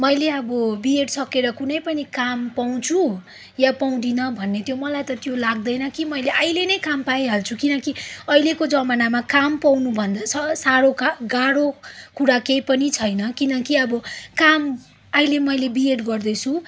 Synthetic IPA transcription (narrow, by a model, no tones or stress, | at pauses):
mʌjleʌbʌbieʈsʌkeɾʌkunʌjpʌnikampaw̃t͡sʰu | japaw̃d̪inʌbʱʌnːet̪jomʌlajt̪ʌt̪jolaɡ̚d̪ʌjnʌkimʌjleʔʌjlenʌjkampajɦalt͡sʰukinʌkiʌjlekod͡zʌmanamakampawnubʱʌnd̪at͡sʰʌsaɽokaɡaɽokuɽakejpʌnit͡sʰʌjnʌkinʌkiʌbʌkam | ajlemʌjlebieʈɡʌrd̪ʌt͡sʰu